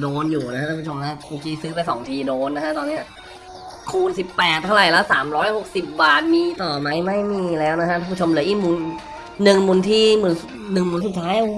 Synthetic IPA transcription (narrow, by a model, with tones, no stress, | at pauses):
doː˧njuː˨˩na˦˥ka˧˥˩a˥˩pʰu˥˩o˧mʰa˦˥poː˧kiː˦˥sɯ˦˥pa˧jsɔ̰˩˦ŋt̪ʰiː˧doː˧nːa˦˥kʰa˦˥ʔt̪ɔː˧nːi˦˥ɐ | kʰuː˥˩nsi˨˩pːɛː˨˩t̪ʰːa˥˩wɾa˨˩jlɛ˦˥wsaː˩˦mɾɔː˦˥jho˨˩k̚si˨˩p̚baː˧˥˩nmiː˧˩t̪ɔː˨˩ma˦˥jma˥˩jmiː˧˩lɛː˦˥wna˦˥kʰa˥a˥˩pʰu˥t͡ɕʰo˧mlɯ˩˦ɐʔiː˥˩mu˧nː | ɯ˨˩ŋmu˧nt̪ʰiː˥˩mɯ˩˦n˧ | nɯ˨˩ŋmu˧˩˦nsu˨˩t̪ʰːaː˦˥j